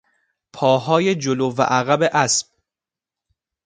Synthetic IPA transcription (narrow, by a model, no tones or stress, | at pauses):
pʰɒːɦɒːje̞d͡ʒolovæ̰ʔæɣæbe̞ʔæsb̥̚